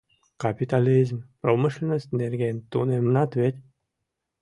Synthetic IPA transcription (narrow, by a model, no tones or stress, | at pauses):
kapʲit̪alʲizmpromɨʃlʲinosʲt̪ʲnerɡʲenʲt̪unemnɑt̪ʋʲet̪ʲ